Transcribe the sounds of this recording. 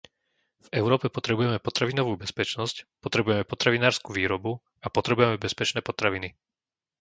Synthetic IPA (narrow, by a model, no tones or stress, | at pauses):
v̥ɛʊɾɔːpɛpɔt̪ɾɛbujɛmɛpɔt̪ɾaʋinɔʋuːbɛspɛt͡ʃnɔscpɔt̪ɾɛbujɛmɛpɔt̪ɾaʋinaːɾskuʋiːɾɔbu | apɔt̪ɾɛbujɛmɛbɛspɛt͡ʃnɛːpɔt̪ɾaʋini